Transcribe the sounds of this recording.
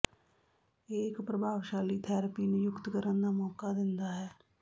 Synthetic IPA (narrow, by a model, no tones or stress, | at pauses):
eːkpɾəbʱaːʋʃaːliːt̪ʰɛːɾəpinejʊkt̪kəɾənd̪aːmɔːkad̪ɪ̃nd̪aːɦɛː